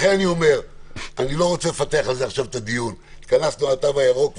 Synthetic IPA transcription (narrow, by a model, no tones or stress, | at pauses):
χenanio̞me̞ʁanilo̞ʁo̞t͡sele̞fat̪eaχalzeaχʃavt̪ad̪ijun | t̪kanaslonat̪avajaʁok